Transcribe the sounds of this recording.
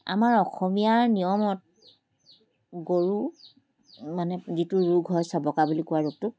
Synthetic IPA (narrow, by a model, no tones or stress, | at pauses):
a̰maɹɔxɔmijaɹnijɔmɔt̚ | ɡoɹu | manɛzitʊɹuɡʱɦɔjsabɔkabulikʊwaɹuɡ̚tʊ